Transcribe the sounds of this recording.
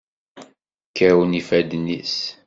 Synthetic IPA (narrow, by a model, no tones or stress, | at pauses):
kːəɾawnifæd̪nis